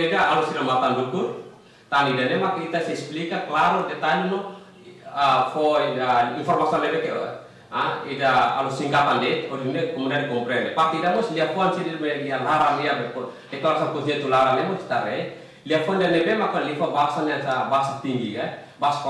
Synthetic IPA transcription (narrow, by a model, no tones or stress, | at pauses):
idaalusilamat̪andukur | t̪aniidanɛmakait̪asɛsplikaklaɾudɛt̪alinɔ | afɔidainfɔrmasiɔnlɛdɛt̪ | aidaa̰lusːiŋkat̪andɛt̪ɔɾinɛkɔmundianɛkɔmpɾɛnɛpat̪iidamɔsliafɔansidimɛlialaɾaniabɛkɔ | dɛklaɾasapusiɲat̪ulaɾanɛmɔsi̥t̪aɾɛ | liafɔndianɛbɛmakalifabaɦasanɛasabaasat̪iŋɡika | baasḁk